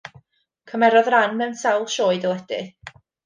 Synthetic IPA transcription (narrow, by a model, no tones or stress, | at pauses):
kʰəmɛɾɔðranmɛwnsawlˠʃoːɨdəlˠɛd̥ɪ̰